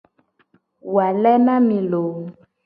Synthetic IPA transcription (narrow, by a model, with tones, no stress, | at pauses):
wa˨lɛ˦nã˦mĩ˨lo˨˦